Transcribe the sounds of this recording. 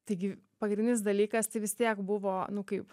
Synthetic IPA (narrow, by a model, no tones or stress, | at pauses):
t̪ɐɪɡʲɪ | pɐɡɾʲɪnʲnʲɪsd̪ɐlʲiːkɐst̪ɐɪʋʲɪst̪ʲiɛkbʊʋoːnʊkɐɪp